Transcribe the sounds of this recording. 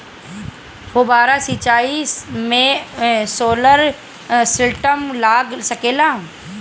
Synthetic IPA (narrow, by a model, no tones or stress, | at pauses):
ʋoːbaːɾasit͡ʃaːismẽsoːləɾ | sɪlʈəmlaːɡsɐkeːlaː